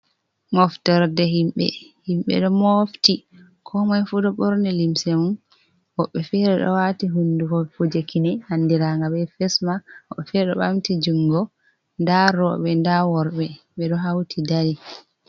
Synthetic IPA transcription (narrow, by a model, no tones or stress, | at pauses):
mɔftɔɾdɛɦimɓɛ̰himɓɛ̰ɗɔmofti | kʰɔmajfudɔɓɔɾnɛlimsemun | wɔɓːɛfɛɾɛɗɔ̰watiɦundukɔfud͡ʒekʰinɛhanːdiɾaŋɡabɛfɛsmahɔɓːɛfɛɾɗɔ̰ɓamtid͡ʒuŋɡɔ | ndaɾɔɓɛndawɔɾɓɛ | ɓɛɗɔɦawtʰidaɾi